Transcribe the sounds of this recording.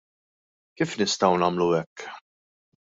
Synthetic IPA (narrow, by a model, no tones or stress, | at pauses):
kiːfnɪst̪ɐwnɐːmluɛkː